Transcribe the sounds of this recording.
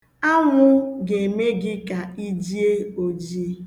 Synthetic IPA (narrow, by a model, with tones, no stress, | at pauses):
a˦ŋʷʊ˦ɡe˨me˦ɡɪ˦ka˨i˦d͡ʒi˦e˦o˨d͡ʒi˦e˦